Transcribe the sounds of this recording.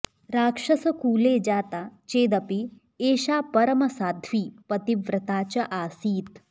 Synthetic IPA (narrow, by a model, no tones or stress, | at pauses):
ɾaːkʂɐsɐkuːleːd͡ʒaːt̪at͡ʃeːd̪ɐpi | eːʃaːpɐɾɐmɐsaːd̪ʱʋiːpɐt̪iʋɾɐt̪aːt͡ʃɐʔaːsiːt̪̚